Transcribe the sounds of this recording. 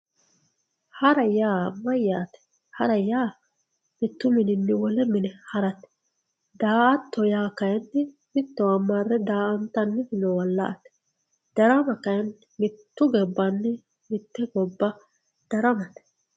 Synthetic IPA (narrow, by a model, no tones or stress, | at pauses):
hɐɾɐjaːmːɐjːaːt̪ɛ̥ | hɐɾɐjaː | mɪt̪ːʊmɪnɪnːɪwɔlɛmɪnɛhɐɾɐt̪ɛ̥ | d̪aːʔɐt̪ːɔjaːkɐjɐnːɪ | mɪt̪ːɔwɐmːarːɛd̪aːʔɐnt̪ɐnːɪɪnɔwɐlːɐ̰ʔɐt̪ɛ̥ | d̪̥ɐɾɐmɐkɐjɐn | mɪt̪ːʊɡɛbːɐnːɪ | mɪt̪ːɛɡɔbːɐ | d̪̥ɐɾɐmɐt̪ɛ̥